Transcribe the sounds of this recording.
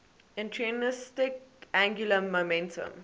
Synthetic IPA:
ɛ̃ntʰɹiənɪstɪkæ̃ŋɡjuləmomɛ̃ntə̰̃m

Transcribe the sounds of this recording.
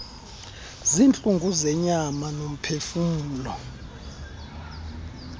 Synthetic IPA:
zint͡ɬʼuŋɡʱuzɛɲamanom̩pʰefumuːlɔ

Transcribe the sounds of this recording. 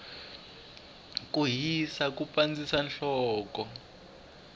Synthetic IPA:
kuɦisak̬ʼupʼand͡zisanɬɔːkɔ

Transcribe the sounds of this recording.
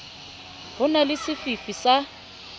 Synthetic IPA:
ɦʊnalɪsɪfifisa

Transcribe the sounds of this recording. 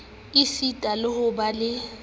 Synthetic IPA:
isitʼalɪhʊbalɪ

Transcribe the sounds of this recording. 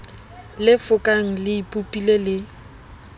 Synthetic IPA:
lɪfʊkʼaŋ̩lɪipʼupʼilelɪ

